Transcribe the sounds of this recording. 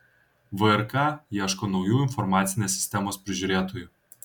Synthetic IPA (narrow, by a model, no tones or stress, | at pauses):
ʋəɛɾkɑːjiɛʃkoːnɒʊjuːɪnfɔɾmɑːt̪sʲɪnʲeːsːʲɪ̥sʲt̪ʲɛmoːspʲɾʲɪʒʲuːɾʲeːt̪oːjuː